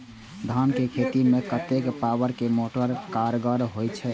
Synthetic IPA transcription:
d̪ʱankekʰet̪imekət̪ekpawəɾkemoʈəɾkaɾɡəɾɦojt͡ʃʰɛ

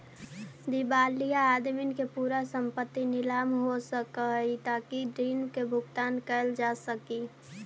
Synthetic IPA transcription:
d̪ibaːlijaːd̪minkepuɾasəmpət̪ːinɪlaːmɦosəkəit̪aːkidɾinkebʱʊɡt̪aːnkəld͡ʒasəki

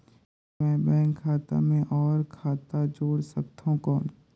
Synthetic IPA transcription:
mɛ̃ːbɛ̃ːŋkʰːaːt̪a̰mẽʔɔːɾkʰaːt̪ad͡ʒoːɽsək̚t̪ʰõko

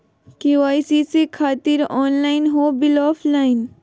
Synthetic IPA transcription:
kiʋaːjsisikʰaːt̪iɾɔːnlaːɪnɦobɪlɔːfʰlain

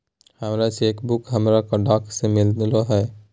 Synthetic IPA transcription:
həmɾaʃeːkbʊkɦəmɾakəɖaːksemɪld̪loɦɛː

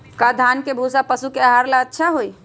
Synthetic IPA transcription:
kad̪ʱankebʱosapəsukeaɦaɾlaətːʃʰaɦoj

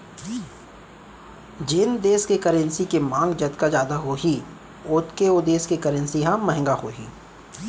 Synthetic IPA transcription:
d͡ʒɪnd̪eːskekəɾə̃nsikemãːŋɡd͡ʒɐt̪kad͡ʒjaːd̪aɦoːɦi | ʊt̪keod̪eːskekɐɾə̃nsiɦãməɦə̃ŋɡahoːɦḭː

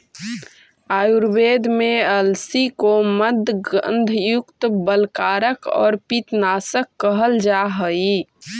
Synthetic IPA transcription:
aːjuɾbeːd̪ʱmeəlsikoməd̪ʱɡə̰nd̪ʱjʊkt̪bəlkaːɾəkɔ̰ːɾpit̪nasəkːəɦəld͡ʒaɦəi

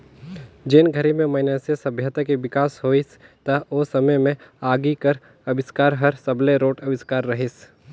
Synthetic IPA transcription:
d͡ʒɪnɡʱɐɾimẽmɐɪnasesɐbʱjət̪akeʋɪkaːsɦoːist̪ɐosɐməjmẽaːɡikəɾ | ɐbɪskaːɾɦɐɾsɐbleɾoːʈɐbɪskaːɾːɐɦɪs

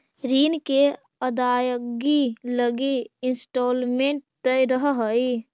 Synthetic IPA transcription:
ɾiːnke | əd̪ajəɡiləɡiɪnsʈolmeɳʈ̚d̪̥əɾəɦəɦəj

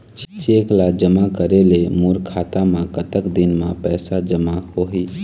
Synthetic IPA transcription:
t͡ʃt͡ʃeːklad͡ʒəmakəɾelemuːɾkʰaːt̪amãkət̪əkd̪ɪnmãpɛːsad͡ʒəmahoɦiː

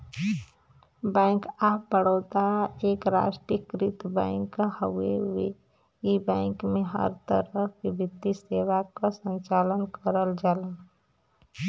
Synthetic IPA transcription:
bɛ̃ɪ̃ŋkapəɽəːt̪aekɾa̰sʈɾəkɾit̪bɛ̃ɪŋkːahəuee | ibɛ̃ɪŋkmẽɦə̰ɾt̪ə̰ɾəɦkebʱit̪ːisewakasə̃nt͡ʃalənkəɾəld͡ʒaːlə

